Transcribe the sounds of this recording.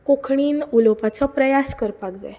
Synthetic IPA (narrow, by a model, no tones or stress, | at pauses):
kokʰɳiːnulopat͡sɔpɾəjaskəɾpaɡd͡za̰j